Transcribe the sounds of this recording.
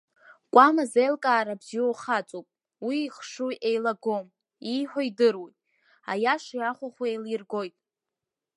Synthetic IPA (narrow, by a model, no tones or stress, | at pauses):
kʷʼamazejlkʼaːɾabziowχat͡sʼopʼ | wiːχʂuʔejlaɡo̞m | iħʷᶣaidɨrwejʼ | a̰jaʂjaχʷaχʷaejlirɡo̞jtʼ